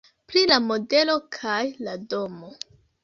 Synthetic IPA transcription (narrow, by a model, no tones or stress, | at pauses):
plilamo̞de̞lo̞kʰajladomo̞